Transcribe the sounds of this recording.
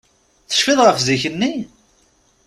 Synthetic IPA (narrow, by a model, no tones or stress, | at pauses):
θə̥ʃfiðˤʁəfziçənːi